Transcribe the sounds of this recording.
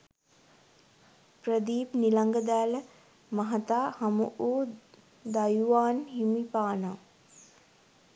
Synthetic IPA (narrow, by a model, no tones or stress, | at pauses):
prəd̪iːpnilaŋɡəd̪æːlə | maɦat̪aːhamuʔoː | d̪ajuʋaːnɦimipaːna